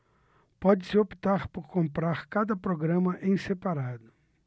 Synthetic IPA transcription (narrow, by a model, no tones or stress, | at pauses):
pɔd͡ʒɪsɪopi̥t̪aɾpoɾkõmpɾaɾkad̪ɐpɾoɡɾɐ̃mɐʔẽj̃sepaɾad̪ʊ